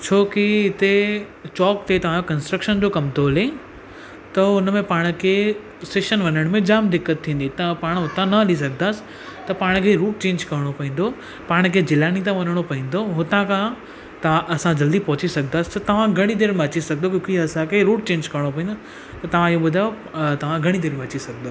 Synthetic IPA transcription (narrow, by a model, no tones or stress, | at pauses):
t͡ɕʰoːkiɪt̪e | t͡ɕɔːk̚t̪ʰet̪ɐʋ̤ãokɐ̃nsʈɾəkʃənd͡ʑoːkɐmt̪ʰoːle | t̪ɐʊnmẽpaːɽ̃̆kʰe | seːʃənʋɐnəɽ̃mẽd͡ʑaːmd̪ɪkːət̪ʰːĩːn̆d̪it̪ɐpaːɽ̃ɦʊt̪ãnɐɐlis̬ɐɡʱnaːsɪ̥ | t̪ɐpaːɽ̃kʰeɾuːʈ̚t͡ɕẽːɲd͡ʑkɐɾəɽ̃opɐɦĩːn̆d̪o | paːɽ̃kʰeːd͡ʑɪlaːñit̪̬ãʋɐnəɽ̃opɐɦĩːn̆d̪oɦʊt̪ãkʰã | t̪ɐʋãʔɐsãd͡ʑɐld̪ipɐɦʊt͡ɕisɐɡʱnd̪aːsɪ̥t̪ɐt̪ɐʋ̤ãɡʱɐɽ̃id̪eːɾmẽɐt͡ɕisɐɡʱnokjõːkiɐsãkʰeɾuːʈ̚t͡ɕẽːɲd͡ʑkɐɾɽ̃opɐɦĩnd̪o | t̪ɐt̪ɐʋ̤ãɪɦoɓʊd̪ʱaːjo | t̪ɐʋ̤ãɡʱɐɽ̃id̪eːɾmẽɐt͡ɕisɐɡʱd̪oː